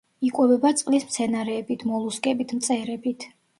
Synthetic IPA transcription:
ikʼwɛvɛbat̪sʼqʼlismt̪sʰɛnaɾɛːbit̪ʰmɔlˠuskʼɛbit̪ʰmt̪sʼɛɾɛbit̪ʰ

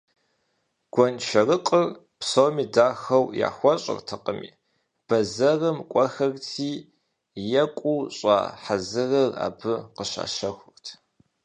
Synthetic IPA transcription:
ɡ̥ʷɔnt͡ʃʰɐrɨqʼər | psowmiːdaːxɐwja̰ːxʷɔɕʼɪ̰rtʰɐqʼəmḭː | b̥ɐzɐrɐmkʷʼɔxɐrtʰiː | jɛkʷʼuɕʼa̰ːħazɨrɐra̰ːbɨqəɕa̰ːʃɐxʷʊrtʰ

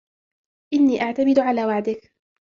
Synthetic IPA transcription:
ʔɪnːiːʔaʕt̪amɪd̪ʕalaːwaʕd̪ɪk

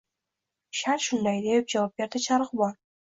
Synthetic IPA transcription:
ʃaɾʃʊnd̪ajd̪ep̚d͡ʒavɒp̚bʲe̞ɾd̪ɪt͡ʃʰaɾɨqbɒn

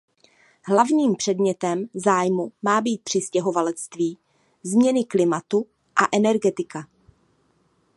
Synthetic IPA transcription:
ɦlavɲiːmpr̝̥ɛdmɲɛt̪ɛmzaːjmumaːbiːt̪̚pr̥ɪscɛɦo̞valɛt͡st̪viː | zmɲɛnɪklɪmat̪u | ʔaʔɛnɛɾɡɛt̪ɪka

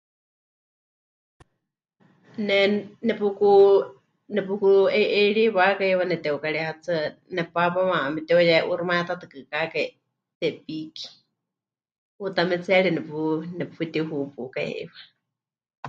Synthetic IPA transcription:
nɛnɛpuku | nɛpukueʔeɺiwakaewanɛt̪ɛukaɺihat͡sɨnɛpapamaamɛt̪ɛojaʔuɾumaɛt̪ʰat̪ɨkɨkakai | t̪ɛpiki̥ | ut̪amɛt͡sʰaɺinɛpunɛpfit̪iuɦupukaj̰ḛwa

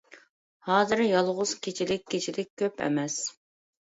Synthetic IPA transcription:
hɑːzɨɾjɑlˠʁʊz̥kʲʰet͡ʃʰilɪk̚ʲʰːet͡ʃʰilɪk̚ʲʰːøpʰɛ̰mɛs

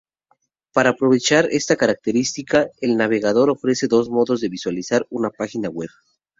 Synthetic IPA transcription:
paɾaːpɾo̞βe̞t͡ʃaɾe̞st̪akaɾak̚t̪e̞ɾist̪ikae̞lnaβe̞ɣað̞o̞ɾo̞fɾe̞se̞ðo̞zmo̞ðo̞zðe̞βiswalisaɾunapaxinaɣwe̞β

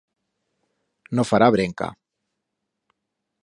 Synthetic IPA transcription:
nofaɾaβɾeŋka̰

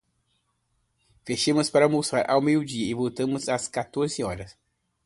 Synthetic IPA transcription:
feʃẽmʊspaɾɐmosɾa̰ɾʔawmejʊd͡ʒiɐɪvowt̪ɐ̃mʊzɐskat̪oɾzɪɔɾɐs

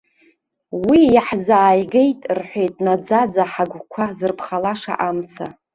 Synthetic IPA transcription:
wijaħzaːjɡe̞jtʼrħʷe̞jtʼnad͡zad͡zaħaɡʷkʷʰazɨrpʰχalaʂa̰ʔamt͡sʰa̰

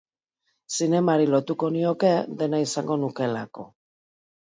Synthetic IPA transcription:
sine̞maɾilo̞t̪uko̞nio̞ke̞ðe̞naisaŋɡo̞nuke̞lako̞̰

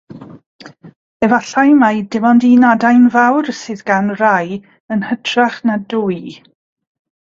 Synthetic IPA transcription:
ɛvaɬajmajdɪvɔndinadajnvawrsɨːðɡanraj | ənhətʰraχnaduj

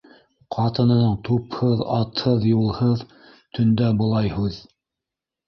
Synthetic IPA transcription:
qʰɑt̪ɤ̆nɤ̆nɤɴt̪uphɤðɑt̪hɤðjulˠhɤð | t̪ʰɵ̆nd̪æbŏlˠɑjhʉð

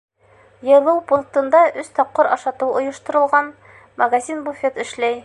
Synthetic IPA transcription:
jɤ̆lˠɤwpunk̚t̪ɤ̆nd̪ɑʔɵst̪ɒp̚qɤɾɑʃɑt̪ɤwŏjɤ̆ʃt̪ɤ̆ɾɤ̆lˠʁɑn | mɐɡazʲinbufʲet̪ɘ̆ʃlæj

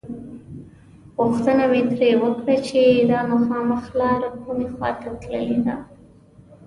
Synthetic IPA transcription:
ɣuxt̪ənamet̪ɾewəkɽat͡ʃed̪ɑmaxɑməxlɑɾakʰumexwɑ̰t̪at̪lə̰led̪a

